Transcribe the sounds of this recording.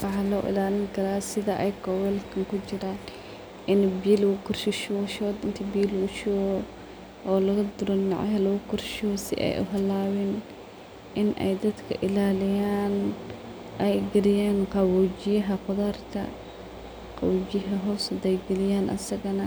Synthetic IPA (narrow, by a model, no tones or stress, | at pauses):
wɑħɑlɔːʔɪ̰laːlɪŋkʰɐɾaːsɪðɐʔɛjkʰɔwɛlkʰɐŋkʰʊt͡ʃɪɾaːn | ʔɪnbiːlɣʊkʰʊrʃɪʃʃɔːd̪ɪnt̪ʰɐbiːlʊʃɔɣɔ | ʔɔːlɐɣɐd̪ʊɾɔnɪʕa̰ɦɐlɐɣʊkʰʊrʃɔsɪ̰ʔɛ̰jʔʊ̰ɦɐlːaːwɛːn | ʔɪnʔɛ̰jd̪ɐd̪kʰɐ̰ʔɪlaːlɪjaːn | ʔɛjɡɐɾɪjɛːnqɑwud͡ʒɪjɐɦɐqʊðaːrkʰɐ̰ | qɑ̰wud͡ʒɪjɐɦɐɦɔːsɐd̪ɛjɡɐlɪjaːnʔɐ̰sɐɣɐnɐ